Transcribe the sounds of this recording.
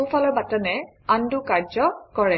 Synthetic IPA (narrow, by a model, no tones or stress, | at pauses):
owpʰalɔɹbatɔnɛ | andukaɹd͡ʒɔkɔɹɛ